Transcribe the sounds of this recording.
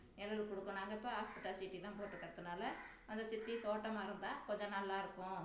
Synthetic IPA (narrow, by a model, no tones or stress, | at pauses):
nɛlɐlkɔɽɯkːɯnaːŋɡɐɪpːoːɦaːspɪʈːaːsɪʈːit̪ãːpoːʈːɯkːɐɽɐt̪ːɯnaːlɐ | ɐnd̪ɐsɪt̪ːit̪oːʈːɐmaːɪɾɯnd̪aːkɔɲd͡ʒɐ̃nɐlːaːɪɾɯkːʊ̃